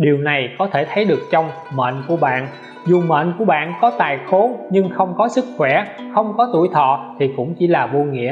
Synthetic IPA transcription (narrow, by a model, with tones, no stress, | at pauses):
ɗi˨˩əwna˨˩jkɔ˨˦t̪ʰe˧˩t̪ʰə˨˦jɗɨ˨˩ək̚t͡ɕɔ˧wŋ͡m | mə̰ː˧˨nku˧˩əɓa̰ː˧˨n | zu˨˩mə̰ː˧˨nku˧˩əɓa̰ː˧˨nkɔ˨˦t̪aː˨˩jxo˨˦ɲɨ˧ŋxə˧wŋ͡mkɔ˨˦sɨ˦˥k̚xwɛ˧˩xə˧wŋ͡mkɔ˨˦t̪u˧˩jt̪ʰɔ̰˧˨t̪ʰi˨˩kʊ̰˧˥ŋ͡mt͡ɕi˧˩laː˨˩ɓo˧ŋḭ˧˥ə